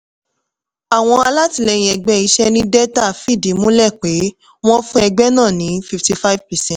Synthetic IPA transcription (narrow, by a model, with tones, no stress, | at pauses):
a˨w̃ɔ̃˧a˧la˦ti˨˧˦lɛ˧j̃ĩ˧ɛ˧ɡ͡bɛ˦i˧˦ʃɛ˦nĩ˦dɛ˦ta˦˨fi˦˨di˨˦mũ˦lɛ˦˨k͡pe˨˦ | w̃ɔ̃˦fũ˦ɛ˧ɡ͡bɛ˦nãː˦˨nĩ˨˦fi˧fti˧fa˦vpɛ˨sɛ̃˦t